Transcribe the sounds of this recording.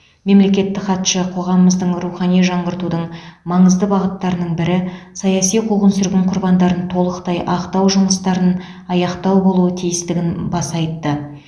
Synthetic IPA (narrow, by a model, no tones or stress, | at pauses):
me̞mle̞kʲe̞t̪ːɪkχɑt̪ʃəqʰo̞ʁɑməməzd̪əɴɾuχɑnijʒɑɴʁəɾt̪ud̪əɴmɑɴəzd̪əbɑʁət̪ːɑɾənəɴbɪɾɪsɑjɑsijqʰuʁənsʏɾɡʲɪɴqʰʊɾbɑnd̪ɑɾənt̪ʰo̞lˠəqt̪ɑjʔɑqt̪ɑwʒʊməst̪ɑɾən | ɑjɑqt̪ɑwbo̞lˠuət̪ʰijɪst̪ɪɡʲɪnbɑsɑjt̪ːə